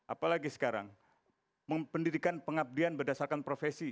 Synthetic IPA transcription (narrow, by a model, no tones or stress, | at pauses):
ʔa̰palaɡisə̥kaɾa̰ŋ | məpəndidikanpəŋab̚dianbərdasarkanpɾofesi